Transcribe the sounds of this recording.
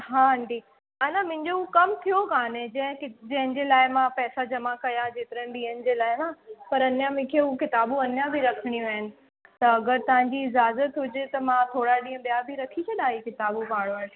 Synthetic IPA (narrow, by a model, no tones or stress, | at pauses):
ɦãːɦɐ̃ɳʈiː | ɐnãmʊ̃ɦɪ̃ɲd͡ʑoukɐmt̪ʰijokaːnẽd͡ʑɐ̃ɦkd͡ʑɐ̃ɦɪ̃nd͡ʑeːlaːɪmãpɛːsad͡ʑɐmakɐjãd͡ʑeːt̪ɪɾə̃ɦnɪ̆ɓiːənɪ̆d͡ʑeːlaːɪmãpɐɾɐnjãmẽkʰeɦukɪt̪aːbũɐnjãbʱiɾɐkʰəɽ̃ĩaːɦɪnɪ̆ | t̪ɐɐɡəɾt̪ɐʋ̤ãɲ̆d͡ʑiɪzaːzət̪ɦʊd͡ʑet̪ɐmãt̪ʰoːɽaɗĩːɦə̃ɓijabʱiɾɐkʰit͡ɕʰɐɗaːɦikɪt̪aːbupaːɽ̃oəː